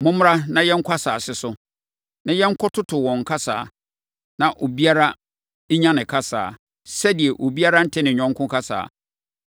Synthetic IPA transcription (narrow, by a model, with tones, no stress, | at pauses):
mʊ̃˦m˦ɾa˦nã˦jɛ˦ŋ̩˦kʰʷa˦saː˨sɪ˨sʊ˦ | nã˦jɛ˦ŋ̩˦kʰʊ˦tʰʊ˦tʰʊ˨wɔ̃˨ŋ̩˨kʰa˦sa̰ː˨ | nã˨ʔo˨bi˦a˦ɾa˦ | ɲã˦nɪ̃˨kʰa˦sa̰ː˨ | sɛ˦di˨ɛ˨ʔo˨bi˦a˦ɾa˦n̩˦tʰɪ˦nɪ̃˨ɲᶣɔ̃˦ŋ˦kʰʊ̃˦kʰa˦sa̰ː˨